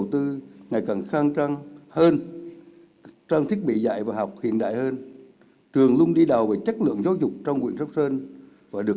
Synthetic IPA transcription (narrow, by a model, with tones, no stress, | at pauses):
wt̪ɨ˧ŋa˨˩jka˨˩nxaː˧ŋt͡ɕa˧ŋhəː˧n | t͡ɕaː˧ŋt̪ʰi˦˥ət̚ɓḭ˧˨za̰˧˨jvaː˨˩ɦɔ˨˩wk͡p̚hḭ˧˨ənɗa̰ː˧˨jhəː˧n | t͡ɕɨ˨˩əŋlʊ˧ŋ͡mɗi˧ɗa˨˩wvəː˨˩jt͡ɕə˦˥t̚lɨ̰˧˨əŋzaː˨˦wzʊ˨˩k͡p̚t͡ɕɔ˧wŋ͡mŋwḭ˧˨ənsə˦˥k͡p̚səː˧n | vaː˨˩ɗɨ˨˩ə